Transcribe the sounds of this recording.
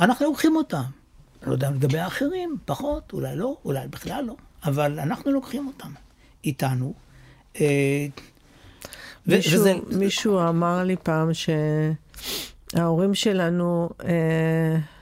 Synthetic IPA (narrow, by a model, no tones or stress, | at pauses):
anaχnulokχimo̞tam | lo̰d̪eamleɡabejaːχeʁimpaχo̞t̪ulajlo̞ulajbiχlalːo̞avalanaχnulokχimo̞tam | itanu | e | vemiʃuamaʁlipaːmʃe̞ | ao̞ʁimʃe̞lanue